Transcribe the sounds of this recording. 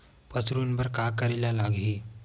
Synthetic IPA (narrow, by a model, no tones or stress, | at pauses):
pəsɾunbəɾkakəɾiljalaɡɦi